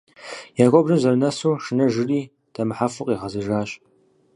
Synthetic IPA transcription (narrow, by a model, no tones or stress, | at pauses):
jaːɡʷɔbrɨmzɐrɨnɐsuːʂɨnɐʒɨriː | d̥ʰɐmɨħafɨqʼiːʁɐzɨʒaːɕʼ